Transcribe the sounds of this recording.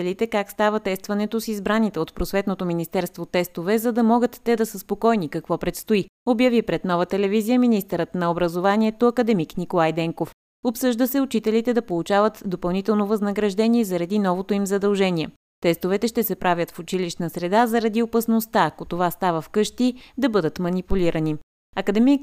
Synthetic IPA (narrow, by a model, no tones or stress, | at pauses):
ɛlit̪ɛkakst̪avət̪ɛst̪vɐnɛt̪osizbɾanit̪ɛot̪pɾosvɛt̪not̪ominist̪ɛɾst̪vot̪ːɛst̪ovɛzɐd̪ɐmɔɡət̪ːɛd̪ɐsəspokɔjnikɐkvɔpɾɛt̪st̪oiobjɐvipɾɛd̪nɔvət̪ɛlɛvizijəminist̪əɾət̪nɐobɾɐzovaniɛt̪oɐkəd̪ɛmiknikolˠajd̪ɛŋkof | opsɤʒd̪əsɛʊt͡ʃit̪ɛlit̪ɛd̪ɐpolˠut͡ʃavət̪d̪opɐlˠnit̪ɛlˠnovɐznəɡɾɐʒd̪ɛnʲiɛzɐɾɐd̪inɔvot̪oimzɐd̪ɐlˠʒɛniɛ | t̪ɛst̪ovɛt̪ɛʃt̪ɛsɛpɾavʲjət̪fʊt͡ʃiliʃt̪nəsɾɛd̪azɐɾɐd̪iopɐsnost̪aːkot̪ovast̪avəfkɤʃt̪id̪ɐbɤd̪ət̪mɐnipuliɾʔəni | ɐkəd̪ɛmik